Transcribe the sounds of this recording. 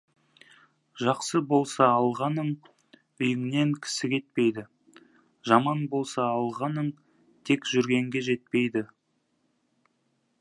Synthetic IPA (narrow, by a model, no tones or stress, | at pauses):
ʒɑqsəbo̞lˠsɑːlˠʁɑnəɴ | ʏjɪŋne̞ŋkʲʰɪ̥sɪkʲʰe̞t̪̚pe̞jd̪ɪ | ʒɑmɑnbo̞lˠsɑːlˠʁɑnəɴ | t̪ʰe̞kʒ̥ʏɾɡʲe̞ŋɡʲe̞ʒe̞t̪̚pe̞jd̪ɪ